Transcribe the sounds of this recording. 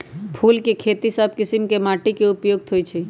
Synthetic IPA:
pʰulkekʰet̪isəb̚ʱkisimkemaʈikeupjoɡ̚t̪ʰojt͡ʃʰɛ

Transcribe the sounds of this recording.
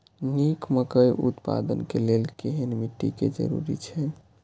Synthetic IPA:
nikməkəjʔṵt̪pa̰d̪ənkelelkeɦenmiʈ̪ːikḛd͡ʒə̰ɾṵɾḭt͡ʃʰɛ

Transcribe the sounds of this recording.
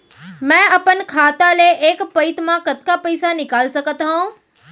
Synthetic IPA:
mɛ̃ːɐpənkʰaːt̪aleʔeːkpɐɪt̪mãkɐt̪kapɐɪsanɪkaːlsɐɡʱət̪ɦũː

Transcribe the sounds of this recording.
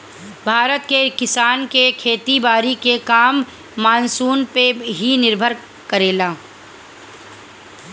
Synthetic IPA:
bʱaːɾət̪kekɪsaːnkekʰeːt̪ibaːɾikekaːmː | aːnsuːnpeɦinɪɾbʱəɾ | kəɾeːlaː

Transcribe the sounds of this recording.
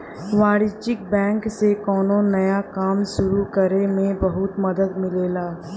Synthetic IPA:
ʋaːɽɪt͡ʃɪk̚bɛ̃ːŋksekɔːnonɐjakaːmʃʊɾukɐɾemẽbɐɦʊt̪mɐd̪əd̪mɪleːlaː

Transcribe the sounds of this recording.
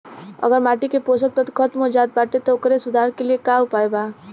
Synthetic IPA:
ə̰ɡəɾmaːʈikepos̬ək̚t̪ət̪kʰət̪mõd͡ʒaːt̪̚baːʈet̪ɔʊkɾesʊd̪ʱaːɾkeliekaʊpaːebaː

